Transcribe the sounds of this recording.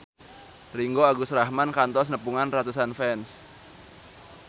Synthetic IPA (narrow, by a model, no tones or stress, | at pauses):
riŋɡoaɡusrahmankant̪ɔs̬nəpuŋanrat̪usanfɛns